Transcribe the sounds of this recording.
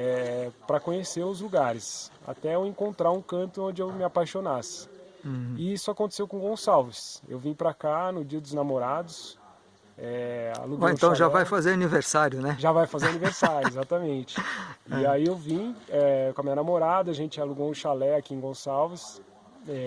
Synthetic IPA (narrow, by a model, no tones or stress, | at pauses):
ɛpɾɐkõɲeseɾʊzluɡaɾɪsa̰t̪ɛewẽŋkõnt̪ɾaɾũkɐ̃nt̪ʊõd͡ʒɪewmɪapajʃonasɪ̥ | ɪisʊakõnt̪e̥sewkõɡõsawvɪsḛwvĩpɾakanʊd͡ʒiɐd̪ʊznamoɾad̪ʊs | ɛa̰luɡoẽt̪ɐ̃w̃ʒavajfazeɾaniveɾsaɾjʊnɛʒavajfazeɾaniveɾsaɾjʊezat̪ɐmẽnt͡ʃɪiaiewvĩɛkõɐmĩɲɐnamoɾad̪ɐaʒẽnt͡ʃɪaluɡõw̃ʊʃalɛakiẽɡõsawvɪs | ɛ